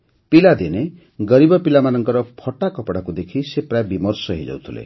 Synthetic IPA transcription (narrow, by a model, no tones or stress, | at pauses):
pilad̪ine | ɡʌɾibɔpilamanɔŋkɔɾɔpʰɔʈakɔpɔɽakud̪ekʰisepɾajebimɔɾsɔɦḛjd͡ʒa̰wt̪ʰulḛ